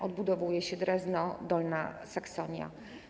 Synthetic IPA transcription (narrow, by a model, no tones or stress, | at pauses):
ʔɔd̪bud̪ɔvujɛɕɛd̪ɾɛznɔd̪ɔlnasaksɔɲja̰